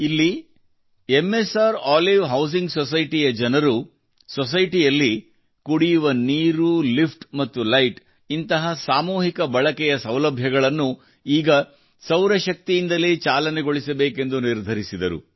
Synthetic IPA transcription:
ilːi | emːesaːɾaːliʋɦɐws̬iŋɡsɔsɐjʈijɐd͡ʒɐnɐɾu | sɔs̬ɐjʈijɐlːi | kuɽijuʋɐniːɾulipʈmɐt̪ːulɐjʈ | int̪ɐɦɐsaːmuːɦikɐbɐɭɐkɛjɐsɐwlɐbʱjɐɡɐɭɐnːu | iːɡɐ | sɐwɾɐʃɐk̚t̪ijind̪ɐleːt͡ʃaːlɐnɛɡoɭisɐbeːke̞nd̪uniɾd̪ʱɐɾisid̪ɐɾṵ

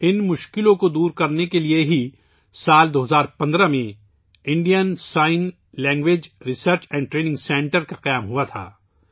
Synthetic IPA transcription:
ɪnmʊʃkɪlõkod̪uːɾkɐɾnekelieɦi | saːld̪oːɦɐzaːɾpɐ̃nd̪ɾamẽ | ɪ̃ɳɖijənsaːɪn | lɛ̃ːŋɡʋeːd͡ʒɾɪsəɾt͡ʃɛ̃ːɳɖʈɾeːnɪ̃ŋɡsɛ̃ːɳʈəɾkaqɐjaːmɦuat̪ʰa̰ː

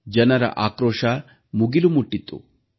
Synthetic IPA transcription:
d͡ʒɐnɐɾɐ̰ʔaːkɾoːʂaː | muɡilumuʈːit̪ːṵ

